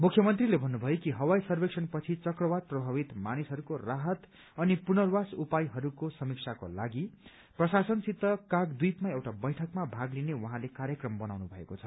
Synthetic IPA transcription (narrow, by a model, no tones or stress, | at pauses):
mukʰjʌmʌnt̪rilebʱʌnːubʱʌjokiɦʌwajsʌrbeksʰʌnpʌt͡sʰit͡sʌkrʌbaɾprʌbʱabit̪manisɦʌɾukoraɦʌt̪ | ʌnipunʌrwasupajɦʌɾukosʌmiksʰako̰laɡi | prʌsasʌnsit̪ːʌkaɡd̪ujpmaewʈabʌjʈʰʌkmabʱaɡlinewʌɦãlekaɾjʌkrʌmbʌnawnubʱʌḛkot͡sʰʌ